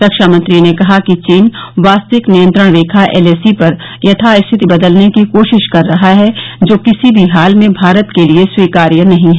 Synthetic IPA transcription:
ɾɐkʃaːmɐ̃nt̪ɾinekɐɦakit͡ʃiːnʋaːst̪əʋɪknijə̃nt̪ɾəɽ̃ɾeːkʰaʔḛːleːsipɐɾ | jɐt̪ʰaɪst̪ʰɪt̪ibɐd̪əlnekikoːʃɪʃkɐɾːɐɦaɦɛd͡ʒoːkɪsibʱiɦaːlmẽbʱaːɾət̪kelieswiːkaːɾjənɐɦĩɦɛː

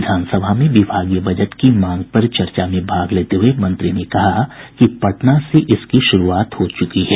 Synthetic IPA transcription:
ɪd̪ʱaːnsəbʱamẽʋɪbʱaːɡijəbɐd͡ʒəʈ̪kimãːŋɡ̚pɐɾt͡ʃɐɾt͡ʃamẽbʱaːɡleːt̪eɦuemɐ̃nt̪ɾinekɐɦakipɐʈnaseʔɪskiʃʊɾuaːt̪hoːt͡ʃʊkiɦɛː

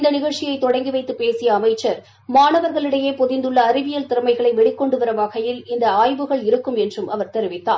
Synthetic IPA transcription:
ɪnd̪ɐnɪɣɐɭt͡ʃːɪjɐɪt̪ːɔɽɐŋɡɪʋɐɪt̪ːɯpeːsɪjɐːmɐɪt͡ʃːɐɾ | maːnɐʋɐɾɣɐɭɪɽɐjeːpɔðɪnd̪ɯɭːɐːɾɪʋɪjɐlt̪ɪɾɐmɐɪɣɐɭɐɪʋɛɽɪkːɔɳɖɯʋɐɾɐʋaːɣɐjɪlɪnd̪ɐaːjʋɯɣɐɭɪɾɯkːɯmɛndrɯmʔɐʋɐɾt̪ɛɾɪʋɪt̪ːa̰ː

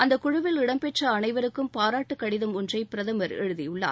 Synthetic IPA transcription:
ʔɐnd̪ɐkʊɻʊʋɪlɪɽɐmpɛʈrɐːnɐɪʋɐɾɯkːɯmpaːɾaːʈːɯkːɐɽɪðɐmʊndrɐɪpɪɾɐðɐmɐɾɛ̰ɻɯðɪjɯɭːa̰ː

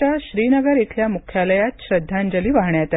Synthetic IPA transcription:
aɕɾiːnəɡəɾit̪ʰljamukʰjaləjat̪ɕɾəd̪ʱːãɲd͡ʑəliːʋaɦɳjat̪a

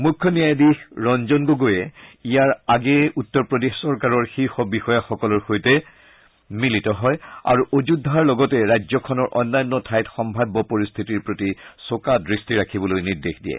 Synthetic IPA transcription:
mukʰːɔnijajdixɹɔnd͡ʒɔnɡoɡojɛijaɹaɡɛutːɔɹpɹɔdexsɔɹkaɹɔɹxixɔbixɔjaxɔkɔlɔɹxojtɛ | militɔɦɔja̰ɹuʔod͡ʒudʱaɹlɔɡɔtɛɹazɔkʰɔnɔɹʔɔnːajɔnːɔtʰajtxɔmbʱabːɔpɔɹist̪ʰitiɹpɹotisokadɹistiɹakʰibɔlojniɹdexdijɛ̰

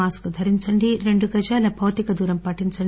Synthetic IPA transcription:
aːskud̪ʱɐɾiɲt͡ʃɐɳɖiɾe̞ɳɖuɡɐd͡ʒaːlɐbʱɐʋt̪ikɐd̪uːɾɐmpɐʈːiɲt͡ʃɐɳ

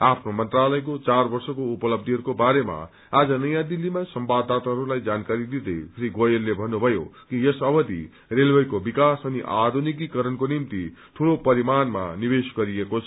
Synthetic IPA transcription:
apʰnomʌnt̪ralʌjkot͡sarbʌrsʌkoupʌlʌb̚d̪iɦʌɾukobaɾema̰ | ad͡zʌnʌjãd̪ilːimasʌmbad̪at̪aɦʌɾulajd͡zankaɾid̪id̪esʰriɡojelːebʱʌnːubʱʌjo̰kijʌsʌbʌd̪ḭ | relbʌjkobikasʌniʔad̪ʱunik̬ikʌɾʌnkonimt̪it̪ʰuɽopʌɾimanma̰nibesɡʌɾijekot͡sʰʌ

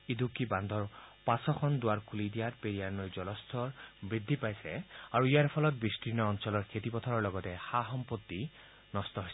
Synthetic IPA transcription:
id̪ukːiband̪ʱɔɹpasɔkʰɔnd̪ʊaɹkʰulid̪ijaɾpeɾijaɹnɔjd͡ʒɔlɔst̪ʰɔɹbɹid̪ʱːipajsɛaɹuijaɾpʰɔlɔt̪̚biskɹinɔːnsɔlɔɹkʰet̪ipɔt̪ʰɔɾɔɹlɔɡɔt̪ɛhaɦɔmpot̪ːi | nɔst̪ɔɦojs

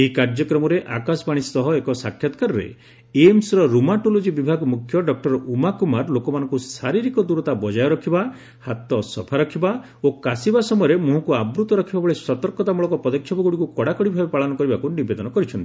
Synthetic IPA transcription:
eɦikaɾd͡ʒɔkɾɔmɔɾeʔakasɔbaɽ̃ist̪ɔɦɔekɔsakʰjɔt̪ɔ̥kaɾɔɾḛ | emsɾɔɾumaʈolod͡ʒibibʱaɡmukʰjɔɖɔk̚ʈɔɾɔumakumaɾlokɔmanɔ̃ŋkusaɾiɾikɔd̪uɾɔt̪abɔd͡ʒajɔɾɔkʰiba | hat̪ɔsɔpʰaɾɔkʰiba | okasibasɔmɔjɔɾemuɦɔkuabɾut̪ɔɾɔkʰibabɔɭesɔt̪ɔɾkɔt̪amuɭɔkɔpɔd̪ɔkʰːjɔpɔɡuɽikukɔɽakɔɽibʱabepaɭɔnɔkɔɾibakunibed̪ɔnɔkɔɾit͡ʃʰɔnt̪ii

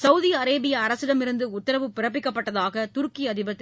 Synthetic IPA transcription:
sɐʊðiɐɾeːbɪjɐːɾɐsɪɽɐmɪɾɯnd̪ɯʊt̪ːɐɾɐʋɯpːɪrɐp̬ːɪkːɐpːɐʈːɐðaːɣɐt̪ʊɾkiɐðɪbɐt̪ː

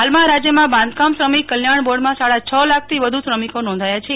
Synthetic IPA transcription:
ɦalmãɾad͡ʒjəmãbãnd̪kamsɾəmikːəljaɳ̃boɖmãsaɽat͡ʃʰəlak̚ʰt̪ʰiʋəd̪ʱusɾəmikonɔ̃nd̪ʱajat͡ʃʰe

